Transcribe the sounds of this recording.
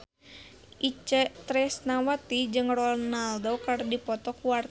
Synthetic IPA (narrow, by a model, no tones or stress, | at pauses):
ʔit͡ʃɛt̪ɾɛsnawat̪id͡ʒɨŋrɔnaldokardipɔt̪ɔkuwart̪